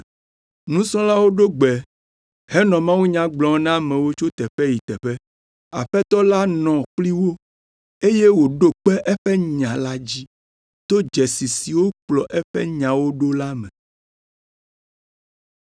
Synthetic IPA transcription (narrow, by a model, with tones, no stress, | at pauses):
nũ˦sɔ̃˦la˦wo˦ɖo˦ɡ͡bɛ˨ | hɛ˦nɔ̃˨mã˦wu˦ɲã˦ɡ͡blɔ̃˨˦nã˦mɛ̃˨wo˦t͡ʃo˦t̪ɛ˨ɸɛ˦ji˨t̪ɛ˨ɸɛ˦ | a˨ɸɛ˦t̪ɔ˦la˦nɔ̃˨k͡pli˦wo˦ | e˦je˦wo˨ɖo˦k͡pɛ˦ʔɛ˦ɸɛ˦ɲã˨la˦d͡ʑi˦ | t̪o˦d͡ʒɛ˨si˨si˨wo˦k͡plɔ˨ʔɛ˦ɸɛ̰˦ɲã˨wo˦ɖo˦la˦mɛ̃˨